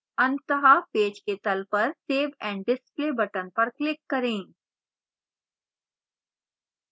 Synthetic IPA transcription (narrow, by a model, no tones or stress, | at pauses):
ɐ̃nt̪əɦapeːd͡ʒket̪ɐlpɐɾseːʋɛ̃ːɳɖɖɪspleːbɐʈənpɐɾklɪkːɐɾẽː